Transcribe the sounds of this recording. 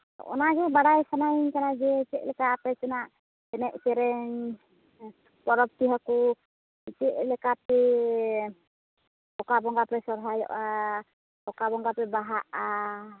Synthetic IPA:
ɔ̰naɡɛbaɽajsanajnkanad͡ʒɛit͡ʃɛʔlɛkapɛt͡ʃɛnaʔ | ɛnɛʔt͡ʃɛɾɛɲ | pɔɾɔp̚t̪iɦaku | it͡ʃɛʔlɛkapɛ | ɔkabɔŋɡapɛsɔɾɦajɔ̰ʔa | ɔkabɔŋɡapɛbaɦaʔa

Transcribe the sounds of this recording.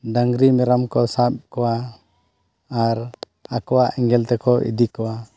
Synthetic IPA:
daŋɡɾimɛɾamkɔsap̚kɔwa | ɾ | akɔwaʔɛŋɡɛlt̪ɛkʰɔʔḭd̪ikɔwa

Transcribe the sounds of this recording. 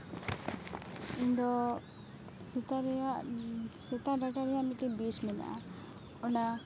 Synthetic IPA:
ind̪ɔ | sit̪aɾɛa | sɛt̪aɖaʈaɾɛjaʔmiʈibismina̰ʔa̰ | ɔna

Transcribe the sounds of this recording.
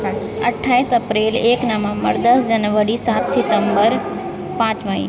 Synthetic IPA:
ɐʈʰːaːisɐpɾeːleːknamamə̰ɾd̪ɐsd͡ʒɐnʋəɾisaːt̪sɪt̪ə̃mbəɾ | pãːt͡ʃmɐḭ

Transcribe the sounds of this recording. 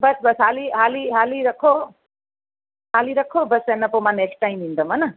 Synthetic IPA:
bʌsbʌsɦaliɦaliɦaliɾʌkʰːo | ɦaliɾʌkʰːobʌsenːʌpomaneksʈajmind̪ʌmʌnʌ

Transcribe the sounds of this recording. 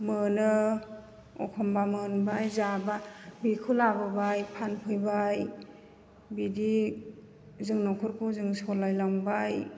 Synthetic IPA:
mɯnɯ | ɔkʰɔmbamɯnbajzababikʰulababajpʰanpʰɯjbaj | bidi | zɯŋnɔkʰɔɾkʰuzɯŋsɔlajlaŋbaj

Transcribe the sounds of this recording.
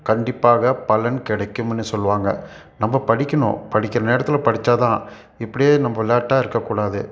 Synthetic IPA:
kɐɳɖɪpːaːɣɐpɐlɐnkɪɽɐkːɯmɛnːɯsɔlːʋaːŋɡɐ̰ | nɐmːɐpɐɽɪkʲːɐɳʊ̰̃pɐɽɪkʲːɐɾɐneːɾɐt̪ːɪlɐpɐɽɪt͡ʃːaːt̪ãː | ɪpːɐɽɪjeːnɐmːɐʋɪlːaːʈːaːɪɾɯkːɐkːuːɽaːðɯ

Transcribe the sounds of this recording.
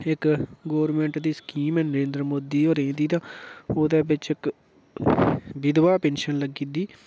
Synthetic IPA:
ɪkɡoːɾmẽːɳʈd̪iːsə̥kiːmɛːnəɾẽːnd̪ɾəmoːd̪iːoːɾẽːd̪iːt̪ãːoːd̪eːbɪt͡ʃɪk | bɪd̪ʋaːpẽːnʃənləɡiːd̪iː

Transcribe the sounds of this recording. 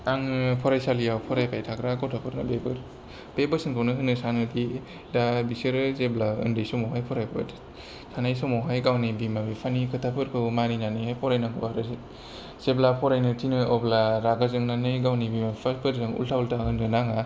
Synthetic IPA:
aŋpʰɔɾajsalijawpʰɔɾajpʰajtʰakɾakawtʰapʰɯɾnɯbebɯɾ | b̥ebɯsɯŋkʰawnɯɦɯnɯsanɯdi | dabisɯɾɯzeblaɯ̰ndɯjsɔmɔwɦajpʰɔɾajpa̰tʰ | sanajsɔmɔwɦajɡawnibimabipʰanikʰɯtʰapʰɯɾkʰɯwmaninanɯhajpʰɔɾajnaɡɯbaɾɯzi | z̥eblapʰɔɾajnɯtʰinɯjɔblaɾaɡazɯŋnanɯjɡawnibimapʰaspʰɯɾzɯŋṵltʰaultʰahɯnɡɯnaŋa

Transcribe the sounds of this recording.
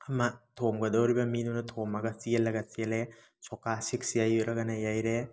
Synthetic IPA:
amatʰomɡɐdɔwɾibɐminunɐtʰomaɡɐsielːɐɡɐsiele | sɔkasik̚sijajɾɐɡanajajɾe

